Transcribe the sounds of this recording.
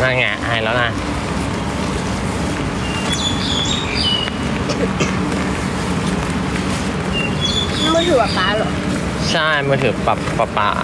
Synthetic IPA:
na˧ŋa˧˩ʔa˧˨a˧˩jlɛː˦˥wna˧˩ | a˥˩ma˥˩t̪ʰɯː˨˦pa˨˩paː˧˥˨lɔ˨˩ | t͡ɕʰa˥˩jmaː˥˩t̪ʰɯː˨˩˦pa˨˩pa˧˩pa̰˧˩

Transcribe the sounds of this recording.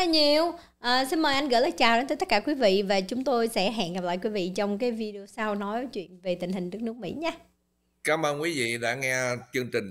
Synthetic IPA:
a˧ɲi˨˩əw | ʔəː˨˩si˧nməː˨˩jʔa˧jŋɣə̰ː˧˥jlaː˨˩t͡ɕaː˨˩wɗe˨˦nt̪ə˨˦t̪ə˦˥kaː˧˩kwi˨˦vḭ˧˨vaː˨˩t͡ɕʊ˨˦ŋ͡mt̪o˧jsɛ̰˧˥ɦa̰ː˧˨nɣa˨˩p̚la̰ː˧˨jkwi˨˦vḭ˧˨t͡ɕɔ˧wŋ͡mkaː˨˦jvi˧ɗo˧saː˧wnɔ˨˦jvəː˨˦t͡ɕwḭ˧˨ənve˨˩t̪ï˩ŋ̟ɦï˨˩ŋ̟nɨ˦˥ək̚n˦˥ək̚mḭ˧˥ɲaː˧˦ | kaː˨˦mʔəː˧nkwi˨˦vḭ˧˨ɗa̰ː˧˥ŋɛ˧t͡ɕɨ˧ŋt͡ɕï˨˩ŋ̟

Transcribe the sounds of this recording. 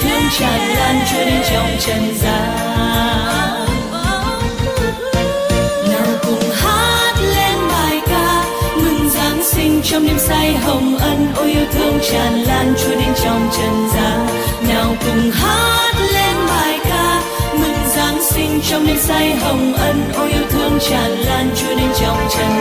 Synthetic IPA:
t̪ʰɨ˧əŋ͡mt͡ɕaː˨˩nlaː˧nt͡ɕu˧˦ɗe˧nt͡ɕɔ˨˩wŋ͡mt͡ɕə˨˩nzaː˨˦ | naː˨˩wkʊ˨˩ŋ͡mhaː˦˥t̚lnvaː˨˩jkaː˧ | mɨ˨˩ŋzaː˨˦nsï˧ŋ̟t͡ɕɔ˧wŋ͡mne˧˦nsa˧jɦə˨˩wŋ͡mʔə˧nʔo˧˦ʔi˧əwt̪ʰɨ˧əŋt͡ɕaː˨˩nlaː˧nt͡ɕu˧˦əɗe˧nt͡ɕɔ˨˩wŋ͡mt͡ɕə˨˩nzaː˨˦ŋ | naː˨˩wkɨ˨˩ŋ͡mɦaː˦˥t̚le˧nɓaː˨˩jkaː˧ | mɨ˨˩ŋzaː˨˦ŋsï˧ŋ̟t͡ɕɔ˧wŋ͡mne˧˦nsa˧jɦə˨˩wŋ͡mʔə˧nʔo˧˦ʔi˧əwt̪ʰɨ˧əŋt͡ɕaː˨˩nlaː˧nt͡ɕu˧əɗe˧nt͡ɕɔ˨˩wŋ͡mt͡ɕə˨˩n

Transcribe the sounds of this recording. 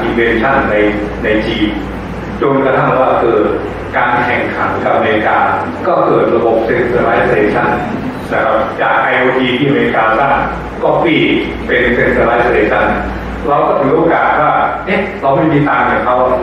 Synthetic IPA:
ʔi˧nfe˧nt͡ɕʰa˥˩nːa˧j | na˧jt͡ɕiː˧n | t͡ɕo˧nka˧t̪ʰa˥˩waː˥˩kɤː˧˨˩t̪̚ | kaː˧nkʰɛ˨˩ŋkʰa˩˦ŋkʰa˨˩ʔa˧meː˧i˦˥kaː˧ | kɔː˥˩kɤː˨˩t̪̚ɾa˧bo˨˩p̚se˧nt̪ʰəː˧ɾaː˦˥jseː˧t͡ɕʰa˥˩nː | a˦˥kʰa˦˥p̚t͡ɕaː˨˩k̚ʔa˧jʔoː˧tiː˧t̪ʰiː˥˩a˨˧meː˧i˧kaː˧sa˥˩ŋ | kɔː˥˩piː˥˩ | pe˧nse˧nt̪əː˧ɾaː˦˥sseː˧t͡ɕʰa˥˩n | ɾa˧wkɔː˥˩t̪ʰɯ˨˦ŋʔoː˧kaː˨˩t̪̚waː˥˩ʔe˦˥ | ɾa˧wma˥˩jmiː˧t̪aː˧mka˨˩kʰa˦˥wa˥˩

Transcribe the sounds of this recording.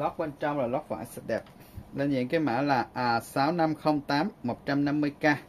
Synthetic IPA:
lɔ˦˥k̚ɓe˧nt͡ɕɔ˧wŋ͡mlaː˨˩lɔ˦˥k̚faː˧˩jsa˦˥t̚ɗɛ˨˩p̚ | lə˧nzḭ˧˨ənkaː˨˦jma̰ː˧˥˩laː˨˩ʔːsaː˨˦wna˧mxə˧wŋ͡mt̪aː˨˦mːo˨˩t̚t͡ɕa˧mna˧mːɨ˧əjkaː˧

